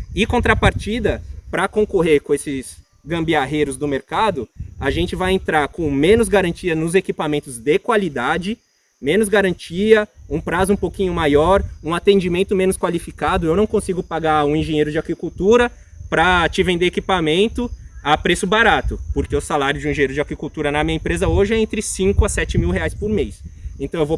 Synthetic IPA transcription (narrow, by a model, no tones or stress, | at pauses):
ɪkõnt̪ɾɐpaɾt͡ʃid̪ɐpɾɐkõkoɦeɾkõesɪs | ɡɐ̃mbiaɦejɾʊzd̪ʊmeɾkad̪ʊaʒẽnt͡ʃɪvajẽnt̪ɾaɾkõmẽnʊzɡaɾɐ̃nt͡ʃiɐnʊzekipamẽnt̪ʊzd̪ekwalid̪ad͡ʒɪ | mẽnʊzɡaɾɐ̃nt͡ʃiɐũpɾazʊũpowkĩɲʊmajɔɾũat̪ẽnd͡ʒimẽnt̪ʊmẽnʊskwalifikad̪ʊewnɐ̃w̃kõsiɡʊpaɡaũẽʒẽɲejɾʊd͡ʒɪakɾikuwt̪uɾɐ | pɾɐt͡ʃɪvẽnd̪eekipamẽnt̪ʊapɾesʊbaɾat̪ʊpoɾkeʊsalaɾjʊd͡ʒɪũĩʒẽɲeɾʊd͡ʒɪakɾikuwt̪uɾɐnɐmiɲɐẽpɾezɐoʒɪɛẽnt̪ɾɪsĩŋkʊɐsɛt͡ʃɪmiwɦeajspʊɾmejsẽt̪ɐ̃w̃ewvo